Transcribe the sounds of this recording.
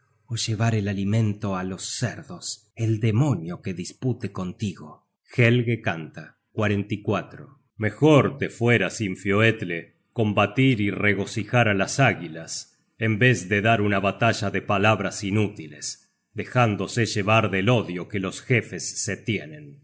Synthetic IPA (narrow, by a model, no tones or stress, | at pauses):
oʒe̞β̞aɾelalimẽ̞nt̪oalo̞sːeɾðo̞s | eld̪emo̞njo̞keðisput̪eko̞nt̪iɣo | xelɣekant̪a | kwaɾent̪ikwat̪ɾo | me̞xoɾt̪efweɾasiɱfjoet̪le | ko̞mbat̪iɾireɣo̞sixaɾalasaɣilas | embe̞zðeðaɾunaβat̪aʒaðepalaβɾasinut̪iles | d̪exand̪o̞seʒeβaɾðelo̞ðjo̞kelo̞sxe̞fesːet̪jenẽn